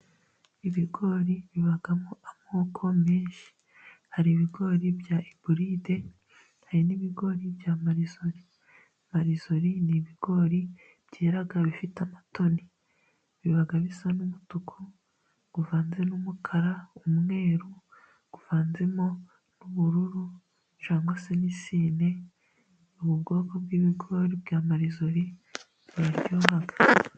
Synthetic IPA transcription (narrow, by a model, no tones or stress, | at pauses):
iβiɡo̞ːɾiβiβaɡamoʔamoːkʰo̞meːnʃi̥ | haɾiβiɡo̞ːɾibjaʔibuɾide̞ | haɾiniβiɡo̞ːɾibjaːmaɾizo̞ɾi | maɾizo̞ɾiniβiɡ̥o̞ːɾi | b̥jeːɾaɡaβifitamato̞ni | βiβaɡaβisanumutukʰo | ɡ̥uvaːnzenumukʰaɾaumŋe̞ːɾu | ɡ̥uv̥aːnzemo̞ | nuβuɾuɾu | t͡ʃaːŋɡwasenisiːne̞ | uβubɡo̞ːkobɡiːβiɡo̞ːɾibjaːmaɾizoɾi | βuɾaɾɟohaɡḁ